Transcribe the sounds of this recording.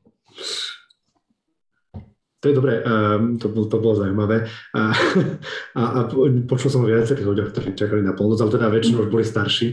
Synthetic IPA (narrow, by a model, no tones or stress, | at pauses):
t̪ɔjɛd̪ɔbɾɛʔt̪ɔbɔt̪ɔbɔlɔzaumaʋɛ | aʔpɔt͡ʃulsɔmʋɪat͡sɛɾiːɣluɟjɔxk̚t̪ɔɾiːt͡ʃakalinapɔlˠnɔd͡zalɛt̪ɛd̪aʋɛt͡ʃinɛuʒbɔlist̪aɾʃi